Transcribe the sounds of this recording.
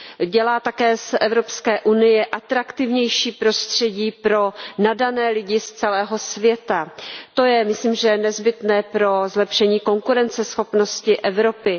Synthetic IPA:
ɟɛlaːt̪akɛːsʔɛvɾo̞pskɛːʔunɪjɛʔat̪ɾakt̪ɪvɲɛjʃiːpɾo̞st̪r̝̥ɛɟiːpɾo̞nadanɛːlɪɟɪst͡sɛlɛːɦo̞svjɛt̪at̪o̞jɛmɪsliːmʒɛnɛzbɪt̪nɛːpɾo̞zlɛpʃɛɲiːko̞ŋkuɾɛnt͡sɛsxo̞pno̞scɪʔɛvɾo̞pɪ

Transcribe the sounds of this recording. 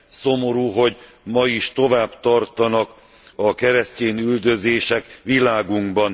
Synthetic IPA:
somo̞ɾuːɦo̞ɟ | mɒiʃt̪o̞vaːbt̪ɒrt̪ɒnɒk | ɒkɛɾɛsceːnyld̪ø̞zeːʃɛkʋilaːɡuŋɡbɒn

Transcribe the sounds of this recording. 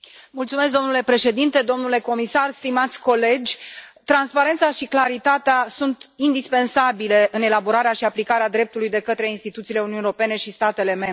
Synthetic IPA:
mult̪sume̞s̬k̬̚d̪o̞mnule̞pɾe̞ʃe̞d̪int̪e̞d̪o̞mnule̞ko̞misarst̪imat̪sʲko̞le̞d͡ʒʲt̪ɾanspaɾe̞nt̪saʃiklaɾit̪at̪easunt̪ind̪ispe̞nsabile̞ʔɨne̞laboɾaɾeaʃiaplikaɾead̪ɾe̞p̚t̪ulujd̪e̞kət̪ɾe̞inst̪it̪ut̪siːle̞uniuneɾope̞ne̞ʃist̪at̪e̞le̞me̞mɾe

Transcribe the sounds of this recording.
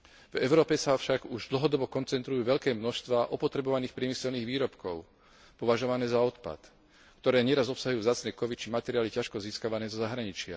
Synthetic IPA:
vɛʊɾɔːpɛsafʃaɡuʒd̪l̩ɦɔd̪ɔbɔkɔnt͡sɛnt̪ɾujuːʋɛʎkɛːmnɔʃst̪ʋaːʔɔpɔt̪ɾɛbɔʋaniːxpɾɪɛmisɛlniːɣʋiːɾɔpkɔʊ | pɔʋaʒɔʋanɛːzaɔt̪pa̰t̪ | kt̪ɔɾɛːɲɛɾazɔpsaɦujuːvzaːt͡snɛːkɔʋit̪t͡ʃimat̪ɛɾiaːlicaʃkɔziːskaʋanɛːzɔzaɦɾaɲit͡ʃɪa̰

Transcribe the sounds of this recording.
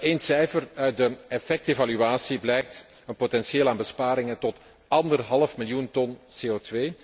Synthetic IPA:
eːnsɛjfərœɥt̚dəɛfɛk̚tevalyaːsiblɛjk̚t | ənpotɛnsjeːlaːnbəspaːɾɪŋətɔt | ʔɑndərɦɑlˠəfmɪljuntɔnseːotʋeː

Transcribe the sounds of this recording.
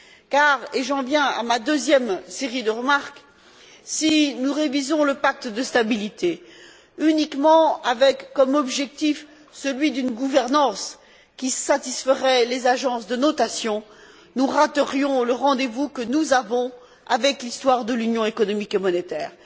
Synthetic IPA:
kaʁeʒɑ̃vjɛ̃a̰mad̪øzjɛmseʁid̪əʁəmaʁk | sinuʁevizɔ̃ləpak̚t̪d̪əst̪abilit̪e | ynikmɑ̃avɛkːɔmɔbʒɛk̚t̪if | səlɥid̪ynɡuvɛʁnɑ̃s | kʲisat̪isfəʁɛlezaʒɑ̃sd̪ənɔt̪asjɔ̃ | nuʁat̪əʁjɔ̃ləʁɑ̃d̪evukənuzavɔ̃ | a̰vɛklist̪waʁd̪əlynjɔ̃ekɔnɔmikemɔnet̪ɛːʁ

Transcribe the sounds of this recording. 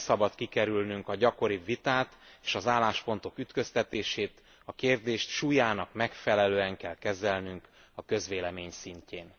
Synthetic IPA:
sɒbɒt̪kikɛɾylnyŋkɒɟɒko̞ɾivit̪aːt̪eːʃɒzaːlːaːʃpo̞nt̪o̞kyt̪kø̞st̪ɛt̪eːʃeːt̪ | ɒkeːrd̪eːʃt̪ʃuːjaːnɒkmɛkfɛlɛløːɛŋkɛlkɛzɛlnyŋk | ɒkø̞zʋeːlɛmeːɲsiɲceːn

